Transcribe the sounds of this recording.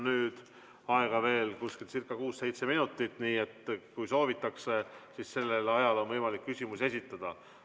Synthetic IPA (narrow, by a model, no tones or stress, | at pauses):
nyːd̪̥ | ɑe̞ɡ̥ɑve̞ːlkuskelt̪sirkːˑɑkuːsse̞jt̪se̞minut̪ːˑit̪ːˑniːe̞t̪ːkujso̞ːvit̪ːˑɑksesisse̞lːe̞lɑjɑlo̞nvɤjmɑlikːysʲimuse̞sʲit̪ːˑɑd̪̥ɑ